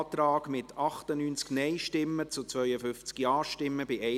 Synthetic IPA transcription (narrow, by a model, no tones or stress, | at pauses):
tɾɑːɡmɪtʰɑχtənyːnt͡sknɛɪʃtɪmːət͡sʊt͡sʋœʏəfʏnft͡skjɑːʃtɪmːəbɪɛ